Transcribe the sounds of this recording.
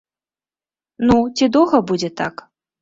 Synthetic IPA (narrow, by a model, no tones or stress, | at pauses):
nut͡sʲid̪ɔwɣɐbud͡zʲɛt̪ak